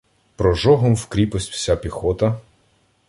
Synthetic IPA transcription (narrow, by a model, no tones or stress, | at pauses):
pɾɔʒɔɦɔmwkɾʲipɔsʲtʲw̥sʲapʲixɔt̪ɐ